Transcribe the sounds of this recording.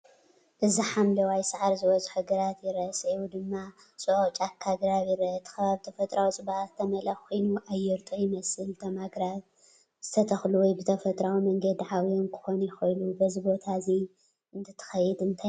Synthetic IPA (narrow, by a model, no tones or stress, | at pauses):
ʔɨziħamlɐwajsaʕaɾzɨwɔzʼħuɡɐɾat̪jɪɾsɐwud̪ɨmːa | sʼɨʕot͡ʃʼakʰːaɡɾaβjɪɾɐʔt̪ʰɐ̥xɐβaβit̪ʰɐfɐt̪ʼɾawt͡sʼɨβaʔt̪ʰːɐmɐlɐxkʰojnuʔajːɛɾt̪ʼojɪmɐsɨlt̪ʰɐmaɡɾaβ | z̥ɨt̪ʰɐt̪ʰɐxluwɔjbɨt̪ʰɐfɐt̪ʼɾawimɐŋɡɐd̪ʕawionkʰɨ̥xonɐjɪxɐjlubɐzibo̞t̪ʰazi | ɨnt̪ʰɨ̥t̪ʰɐ̥xɐjɛd̪ɨnt̪ʰaj